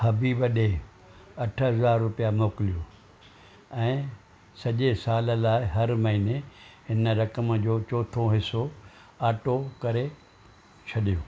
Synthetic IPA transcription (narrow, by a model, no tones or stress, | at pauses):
hɐbiːbɐɗe | ɐʈʰəɦɐzaːɾːʊpijamoːkɪlijo | ɛ̃ː | sɐʄesaːllaːɪɦɐɾmɐɦineɦɪnəɾɐkəmd͡ʑoːt͡ɕoːt̪ʰoɦɪso | aːʈokɐɾe | t͡ɕʰɐɗijoː